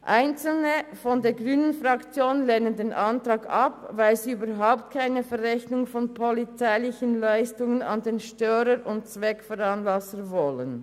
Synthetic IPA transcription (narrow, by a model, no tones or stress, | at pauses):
ʔaɪnt͡sl̩nəfɔndeːɐɡʁyːnənfʁɑkt͡sjoːnleːnəndeːnʔɑntʁɑːɡɑpvaɪlsiyːbəɾɦaʊp̚t̚kʰaɪnəfɛʁɛçnʊŋfɔnpʰɔlit͡saɪlɪçənlaɪstʊŋənɑ̰ndeːnʃtœːɾəɾʊnt̚t͡svɛkfɔʁɑnlɑsəvɔlən